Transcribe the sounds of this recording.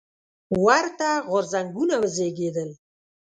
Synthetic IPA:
waɾt̪aɣʊɾzaŋɡunawəzeɡed̪əl

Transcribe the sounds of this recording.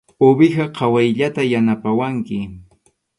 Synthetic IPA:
obɪxaqʰɑwajʎat̪ajanapawaŋkɪ

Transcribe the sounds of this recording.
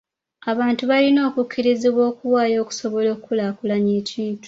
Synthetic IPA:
aβaːntuβalino̞ːkukʰːiɾiziβwo̞ːkuwaːjo̞ːku̥so̞βo̞lo̞ːkukulaːkulaɲeːciːntu̥

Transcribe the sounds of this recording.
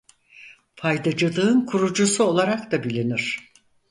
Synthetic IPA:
fʰajd̪ad͡ʒɯlˠɯɯnkʰuɾud͡ʒusuo̞lˠaɾak̚t̪abilʲiniɾ̝̥

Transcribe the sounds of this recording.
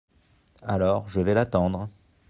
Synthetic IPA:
alɔʁʒəvɛlat̪ɑ̃d̪ʁ

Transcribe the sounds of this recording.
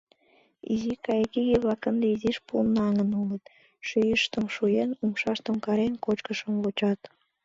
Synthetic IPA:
ḭzikɑjkʲiɣʲeβɑkə̆nd̪eiziʃpunːɑŋə̆nulə̆t̪ | ʃyjəʃt̪ə̆mʃujenumʃɑʃt̪ə̆mkɑɾenkot͡ɕkə̆ʃə̆mβot͡ɕɑt̪

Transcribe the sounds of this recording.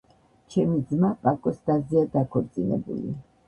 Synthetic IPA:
t͡ʃʰɛmid̪zmapʼakʼɔst̪ʼaziad̪akʰɔɾt̪sʼinɛ̰bṵlḭ

